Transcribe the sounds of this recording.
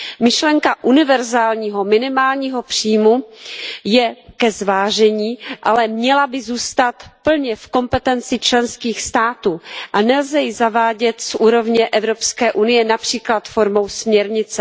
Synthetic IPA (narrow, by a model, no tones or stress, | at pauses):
mɪʃlɛŋkaʔunɪvɛɾzaːlɲiːɦo̞mɪnɪmaːlɲiːɦo̞pr̝̥iːmu | jɛkɛzvaːʒɛɲiːʔalɛmɲɛlabɪzuːst̪at̪pl̩ɲɛfko̞mpɛt̪ɛnt͡sɪt͡ʃlɛnskiːxst̪aːt̪uːʔanɛlzɛjɪzavaːɟɛt̪sʔuːɾo̞vɲɛʔɛvɾo̞pskɛːʔunɪjɛnapr̝̥iːklat̪foɾmo̞wsmɲɛɾɲɪt͡sɛ